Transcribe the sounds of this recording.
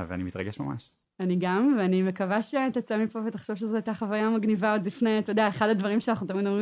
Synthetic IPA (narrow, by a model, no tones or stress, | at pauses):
vea̰nimit̪ʁɐɡeʃma̰ma̰ʃ | aniɡamveanime̞kavaʃet̪at͡samipo̞vetaχʃo̞vʃ̬ezeajt̪aχavajamaɡnivaod̪lifneat̪odeaeχadad̪vaʁimʃeanaχnut̪̬ɐmidomʁi